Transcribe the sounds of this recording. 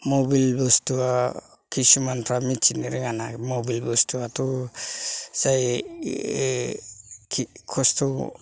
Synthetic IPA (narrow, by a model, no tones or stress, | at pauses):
mobilbɔstua | kʰisumanpʰɾamit͡ʃiniɾɛŋanamɔbilbɔstuat̪u | saj | kʰkʰɔst̪ʰɔ